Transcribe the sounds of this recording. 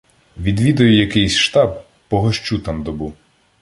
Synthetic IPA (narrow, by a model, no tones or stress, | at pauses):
ʋʲid̪ʋʲid̪ɐjʊjɐkɪjsʲʃt̪ɑb̚ː | ɔɦɔʃt͡ʃut̪ɑmd̪ɔbuw